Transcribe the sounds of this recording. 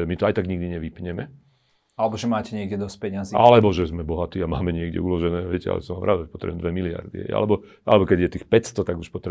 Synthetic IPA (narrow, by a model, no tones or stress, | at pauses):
ɛmit̪ɔajt̪aɡɲiɡd̪iɲɛʋipɲɛmɛ | alɛbɔʒɛmaːcɛɲɪɛɡɟɛd̪ɔspɛɲaziʔalɛbɔʒɛzmɛbɔɦat̪iːama̰ːmɛɲɪɛɡɟɛ̰ulɔʒɛnɛːʋɛ̰cɛa̰lɛ̰sɔmamɾʔaːd̪ɛpɔt̪ɾɛ̰buɛmd̪ʋɛmilɪa̰ɾd̪ḭɦɛ̰jʔa̰lɛbɔ | alɛbɔkɛɟjɛt̪iːxpɛcst̪ɔt̪aɡuʃpɔt̪ɾɛ